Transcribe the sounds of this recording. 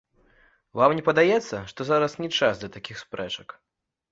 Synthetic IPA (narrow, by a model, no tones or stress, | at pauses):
vamnʲɛpɐd̪ajɛt̪sːɐʂt̪ɔzaɾɐsnʲɛt͡ʂazd̪lʲɐt̪akʲixspɾɛt͡ʂɐk